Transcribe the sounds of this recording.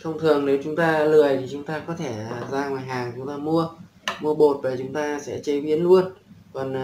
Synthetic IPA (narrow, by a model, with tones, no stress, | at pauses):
xə˧wŋ͡mt̪ʰɨ˨˩əŋne˨˦wt͡ɕʊ˨˦ŋ͡mt̪aː˧lɨ˨˩əjt̪ʰi˨˩t͡ɕʊ˨˦ŋ͡mt̪aː˧kɔ˨˦t̪ʰe˧˩˨zaː˧ŋwaː˨˩jɦaː˨˩ŋt͡ɕʊ˨˦ŋ͡mt̪aː˧mu˧ə | mu˧əɓo˨˩t̚ve˨˩t͡ɕʊ˨˦ŋ͡mt̪aː˧sɛ̰˧˥t͡ɕe˨˧˦ɓi˨˦ənlu˧ənkɔ˨˩n